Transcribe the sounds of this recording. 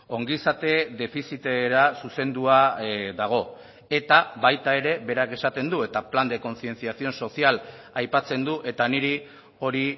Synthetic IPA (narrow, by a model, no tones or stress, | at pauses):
o̞ŋɡisat̪e̞ðe̞fisit̪eɾasuse̞nd̪uaðaɣ̞o̞ | e̞t̪aβajt̪ae̞ɾe̞βe̞ɾake̞sat̪e̞nd̪ue̞t̪apland̪e̞ko̞nθie̞nt͡siasio̞nso̞sial | ajpat͡se̞nd̪uʔe̞t̪aniɾi | o̞ɾi